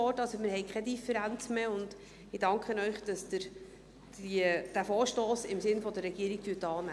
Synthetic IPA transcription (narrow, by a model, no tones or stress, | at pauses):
ɔtɑlsomɪɾhɛjkʰχɛdifəɾænt͡smeʊnd̥ | ɪd̥ɑŋkχənœʏχd̥ɑsdəɾ | id̥æfoːɾʃtoːsɪmsɪnfɔd̪ərːɛɡ̥iəɾik̚tyətɑːnæ